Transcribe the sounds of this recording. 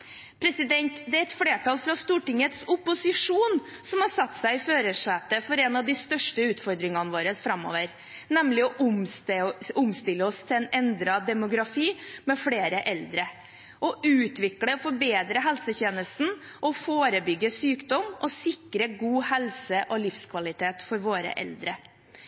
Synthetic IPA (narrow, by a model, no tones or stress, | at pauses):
pʰɾɛsɪd̪ɛnt̪d̪ɛæɾɛt̪fɽeːʈɑlfɾɑst̪uːʈɪŋət̪sʊpːʊsɪʂuːn | sɔmhɑʂɑt̪ːsæɪføːɾəʂɛt̪əfɔɾɛnɑʋd̪ɪst̪œʂʈəʉːt̪fɔɾd̪ɾɪŋɑnʋoːɾəsfɾɑmo̰ːʋəɾ | nɛmlɪɔʔʊm | ʊmst̪ɪlːəɔst̪ʰɪlɛnɛnd̪ɾɑd̪ɛmʊɡɾɑfiːmɛfɽeːɾəʔɛld̪ɾə | ʔɔʔʉːt̪ʰʋɪkləfɔɾbeːd̪ɾəɦɛlsəçeːnəst̪n̩ | ʔɔfoːɾəbʏɡːəsyːkd̪ɔmːɔsɪkɾəɡuːhɛlsəʔɔlɪfskʰʋɑlɪt̪ʰeːt̪fɔɾʋoːɾə̰ʔɛ̰ld̪ɾə